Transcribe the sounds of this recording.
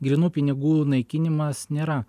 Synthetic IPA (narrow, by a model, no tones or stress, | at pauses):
ɡɾʲinuːpʲɪnʲɪɡuːnɐɪkʲɪnʲɪmɐsnʲeːɾɐ